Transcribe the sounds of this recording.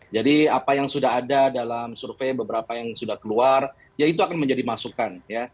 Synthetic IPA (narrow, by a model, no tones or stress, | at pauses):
d͡ʒadiapajaŋsudaɦadadalamsurfebəbəɾapajaŋsudahkəluar | jait̪̬uakanməɲd͡ʒadimasukanja